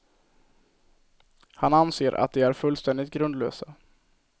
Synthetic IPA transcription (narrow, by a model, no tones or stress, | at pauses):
hananseːɾʔa̰t̪̚d̪ɛæɾfɵlːst̪ɛnd̪ɪt̪̚ɡɾɵnd̪lø̰ːsa